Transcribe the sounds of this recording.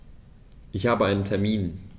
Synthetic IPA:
ʔɪçhaːbəaɪnəntʰɛɐmiːn

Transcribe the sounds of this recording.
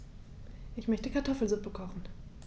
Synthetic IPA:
ʔɪçmœçtəkʰaɐtʰɔfl̩zʊpəkʰɔχn̩

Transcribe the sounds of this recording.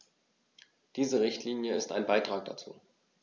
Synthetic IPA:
d̥iːzəʁɪçtʰliːnjəɪstaɪnbaɪtʁ̥aːk̚d̥a̰t͡sṵː

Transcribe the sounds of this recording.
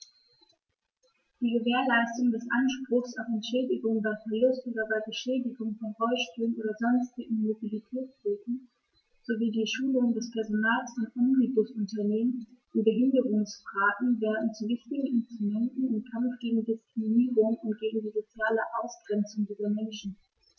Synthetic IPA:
d̥iːɡəveːɐlaɪstʊŋdɛsʔanʃpʁ̥ʊxsaʊfɛnʃɛːdɪɡʊŋbaɪfɛɐlʊstʔoːdɐbaɪbəʃɛːdɪɡʊŋfɔnʁɔʏʃpyːlənʔoːdɐzɔnstɪɡŋ̩mobilitʰɛːt͡sb̥eːtn̩ | z̥oviːdiːʃuːlʊŋdɛspʰɛɐzonaːlsfɔnʔɔmʁibʊsʊntɐneːmənʔɪnbəɦɪndəʁʊŋsfʁ̥aːtn̩vɛːɐdn̩t͡suvɪçtɪɡŋ̩ɪnstʁ̥umɛntn̩ɪmkʰamfɡ̥eːɡŋ̩dɪskʁ̥iminiːʁʊŋʊntɡ̥eːɡŋ̩diːzot͡sjaːləʔaʊsɡ̥ʁɛnt͡sʊŋdiːzɐmɛnʃn̩

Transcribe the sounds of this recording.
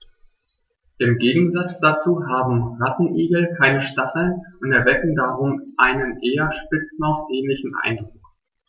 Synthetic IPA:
ʔɪmɡeːɡŋ̩zat͡sd̥at͡suːɦaːbm̩ʁatn̩ʔiːɡl̩kʰaɪnəʃtaχl̩nʔʊntɛɐvɛkŋ̩daʁʊmʔaɪnənʔeːɐʃpɪt͡sn̩aʊsʔɛːnlɪçn̩ʔa̰ɪndʁʊk

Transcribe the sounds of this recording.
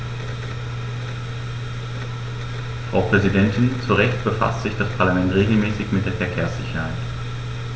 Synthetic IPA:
fʁ̥a̰ʊpʁ̥ɛzidɛntʰɪnt͡suʁɛçtb̥əfa̰stz̥ɪçd̥aspʰaɐlamɛntʁ̥eːɡl̩mɛːsɪçmɪt̚d̥eːɐfɛɐkʰeːɐsz̥ɪçɐhaɪt

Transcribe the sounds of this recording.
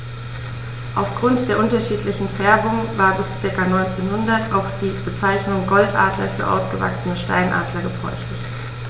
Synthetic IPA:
ʔaʊfɡ̥ʁʊntd̥eːɐʔʊntɐʃiːtlɪçn̩fɛɐbʊŋvaːɐbɪst͡sɪɐkanɔʏnt͡seːnhʊndɐtʔaʊxd̥iːb̥ət͡saɪçnʊŋɡɔltʔa̰ːdlɐ̰fyːɐʔa̰ʊsɡ̥əva̰ksənəʃta̰ɪnʔa̰ːdlɐɡəfɔ̰ʏçtɪç

